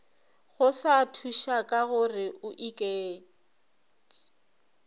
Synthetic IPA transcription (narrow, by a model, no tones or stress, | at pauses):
ɣʊsatʰuʃakʼaɣʊrɪʔʊʔikʼeː